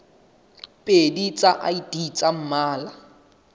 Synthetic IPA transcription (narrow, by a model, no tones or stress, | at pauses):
pʼedit͡sʼaʔaidit͡sʼam̩maːla